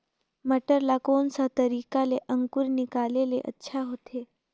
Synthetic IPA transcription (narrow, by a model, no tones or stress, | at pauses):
məʈəɾlakoːnsat̪əɾiːkaleʔə̃ŋkʊɾnɪkaleleʔə̰tːʃʰaɦot̪ʰeː